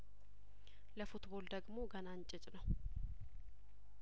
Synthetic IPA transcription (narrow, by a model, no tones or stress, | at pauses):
ləfut̪bold̪əɡmo̞ɡənant͡ʃʼɪt͡ʃʼnəw